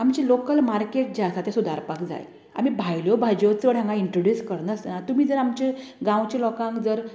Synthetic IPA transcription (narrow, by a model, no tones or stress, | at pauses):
amt͡ɕilokəlmaɾkeʈ̚d͡ʑeasat̪esud̪a̰ɾpakd͡za̰j | a̰m̤ibʱajljobʱad͡ʑot͡səɽ̤ãŋɡaiɳʈɾoɖjuskəɾnəsnat̪umiːd͡zəɾamt͡ɕeɡãwt͡ɕelɔkãŋkd͡zəɾ